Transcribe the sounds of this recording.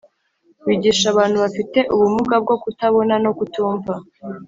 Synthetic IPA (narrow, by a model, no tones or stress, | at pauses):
wiːɟiːʃaβaːn̥huβafite̞ʔuβumuɡab̚ɡo̞kutaβo̞nano̞kutuːɱva